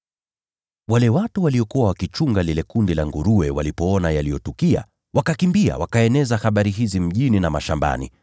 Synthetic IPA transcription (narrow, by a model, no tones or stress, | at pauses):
walɛwatuwaliɔkuwawakit͡ʃuŋɡalilɛkundilaŋɡuɾuɛwalipɔɔnajalijɔtukia̰ | wakakimbia̰wakaɛnɛzahaɓaɾiɦizim̩ʄininamaʃamba̰nḭ